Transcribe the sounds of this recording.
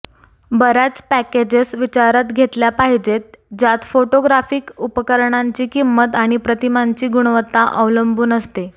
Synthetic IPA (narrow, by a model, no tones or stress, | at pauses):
bəɾjat͡spæked͡ʑesʋit͡ɕaɾat̪ɡʱet̪ljapaɦid͡ʑet̪̚d͡ʑat̪foʈoɡɾafiːkupəkəɾɳaɲt͡ɕiːkimːət̪aɽ̃ipɾət̪imaɲt͡ɕiːɡuɳ̃ʋət̪ːaʔəʋləmbuːnəst̪e